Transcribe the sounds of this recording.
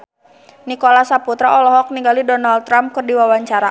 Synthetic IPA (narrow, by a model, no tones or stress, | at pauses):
nikolasaput̪ɾaɔlɔɦɔk̚niŋɡalidɔnaldt̪ːɾamkɨrdiwawaɲt͡ʃaɾa